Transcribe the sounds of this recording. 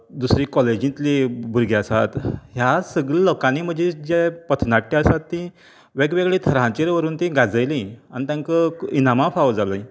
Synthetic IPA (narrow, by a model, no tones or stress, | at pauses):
d̪usɾĩkɔled͡ʑĩt̪libʱuɾɡeasa̰t̪ɦjasəɡɭəlɔkãniːm̤əd͡ʑed͡ʑepət̪ʰnaʈːiəsat̪ːĩ | ʋeɡʋeɡɭet̪ʰəɾãt͡ɕeɾʋəɾuːnt̪ĩɡad͡zəjlĩanit̪jãŋkəinamãfaʋd͡zaləĩ